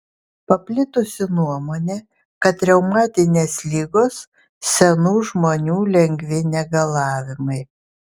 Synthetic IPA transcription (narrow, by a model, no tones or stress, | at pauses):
pɐpʲlʲɪt̪ʊsʲɪnuɔmoːnʲeː | kɐt̪ʲːɾʲɛʊmɑːt̪ʲɪnʲeːslʲiːɡoːs | sʲɛnuːʒmoːnʲuːlʲɛŋʲɡʲʋʲɪnʲɛɡɐlˠɑːʋʲɪmɐɪ